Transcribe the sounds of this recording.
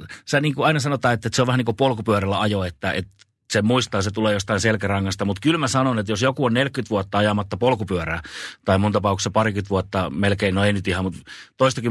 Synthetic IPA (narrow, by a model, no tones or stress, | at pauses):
sæniːŋkuɑinɑsɑnot̪ˑɑːet̪ːæet̪seoʋæhæniːŋkopolkupyørælːæɑjoet̪ːæʔḛt̪ | semuist̪ɑːset̪uleːjost̪ɑinselkærɑŋːɑst̪ɑmut̪kylmæsɑnonet̪josjokuonnelkkyt̪ʋuot̪ːɑɑjɑmɑt̪ːɑpolkupyøræːt̪ɑimunt̪ɑpɑˑuksːɑpɑrikyt̪ʋuot̪ːɑmelkeinoeinyt̪ihɑmut̪t̪oist̪ɑky